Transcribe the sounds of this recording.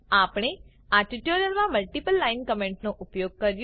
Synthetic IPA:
apɽ̃e | aɾʈiʈoɾijəlmãməlʈipəlːainkəmẽɳʈnoʔupjoɡ̚kəɾj

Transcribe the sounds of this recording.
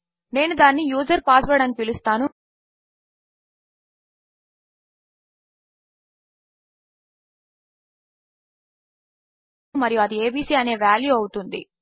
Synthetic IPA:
ne̞ːnud̪aːnːijuːd͡ʒɐɾpaːsʋɐɽɐnkiilust̪aːnu | mɐɾijuɐd̪ieːbiːsiːɐne̞ːʋaːljuɐwut̪und̪ḭ

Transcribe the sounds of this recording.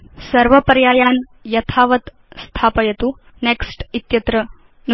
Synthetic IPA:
səɾʋəpəɾjaːjan | jɐt̪ʰaʋət̪ | st̪ʰapɐjɐt̪u | neksʈit̪jɐt̪ɾə | n

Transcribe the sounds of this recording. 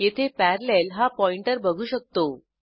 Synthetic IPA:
jet̪ʰepæɾlelɦapɔiɳʈəɾbəɡʱuːɕək̚t̪o

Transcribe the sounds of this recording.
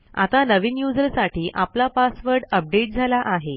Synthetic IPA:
a̰t̪anəʋinjud͡zəɾsaʈʰiːʔaplapasʋəɾɖəp̚ɖeʈ̚d͡zʱalaʔaɦe

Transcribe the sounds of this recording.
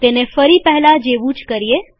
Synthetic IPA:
t̪enefəɾipɛɦlad͡ʒeːʋut͡ʃkəɾie

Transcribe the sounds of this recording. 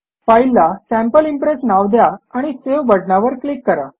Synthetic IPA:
failːasæ̃mpəlimpɾesnaʋd̪jaːɽ̃iseʋbəɽɳaʋəɾklikːəɾa

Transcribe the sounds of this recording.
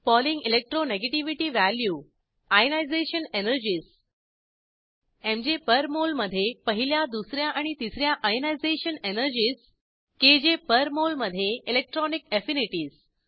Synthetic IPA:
pɔliŋɡilek̚ʈɾoneɡeʈiʋiʈiːʋæljuː | ajnajd͡zeɕənenəɾd͡ʑiːs | ẽmd͡ʑepəɾmolməd̪ʱːjepəɦiljad̪usɾjaʔaɽ̃it̪isɾjaʔajnajd͡zeɕənenəɾd͡ʑiːs | ked͡ʑepəɾmolməd̪ʱːjeilek̚ʈɾɔnikefiniʈiːs

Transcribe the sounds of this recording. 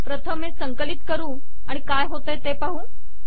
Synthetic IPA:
pɾət̪ʰəmːẽsə̃ŋkəlɪt̪kəɾũ | aːɽ̃ikaːjɦot̪əjt̪epaɦũː

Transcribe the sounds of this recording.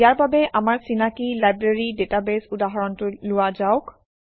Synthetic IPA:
ijaɹbabɛʔamaɹsinakilajbɹeɹidetabesudaɦɔɹɔntʊlʊwazaʊk

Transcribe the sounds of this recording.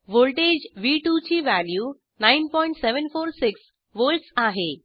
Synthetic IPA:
ʋolʈed͡ʑʋiːʈut͡ɕiːʋæljuː | nainpɔĩɳʈseʋənfoːɾsɪks | ʋolʈsaɦe

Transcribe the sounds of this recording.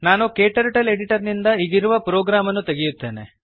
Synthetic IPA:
naːnukeːʈɐɾʈɐle̞ɖiʈɐɾnind̪ɐiɡ̪iɾuʋɐpɾoːɡɾaːmɐnːut̪e̞ɡijut̪ːe̞ːne̞̰

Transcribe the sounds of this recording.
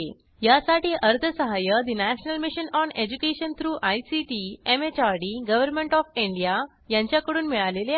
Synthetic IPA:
jasaʈiːʔəɾd̪ʱəsəɦajəd̪inæɕnəlmiɕənɔned͡ʑukeɕənt̪ʰɾuːʔajsiʈiemet͡ɕaɾɽiːɡəʋəɾmeɳʈɔfiɳɖija | jãɲt͡ɕjakəɽuːnmiɭalele

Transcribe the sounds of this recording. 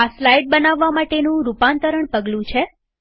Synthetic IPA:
aslajʈ̚bənaʋːamaʈenũɾupant̪əɾəɳpəɡlũt͡ʃʰe

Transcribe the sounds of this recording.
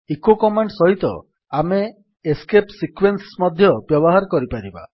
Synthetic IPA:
ekokɔmaɳɖsɔɦit̪ɔ̰ | ameː | skepsikwensmɔd̪ʱjɔbjɔbɔɦaɾɔkɔɾipajɾiba̰

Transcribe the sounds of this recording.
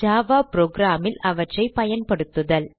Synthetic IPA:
aːʋaːpɾoːɡɾaːmɪlɐʋɐʈrɐɪpɐjɐnpɐɽɯt̪ːɯðɐl

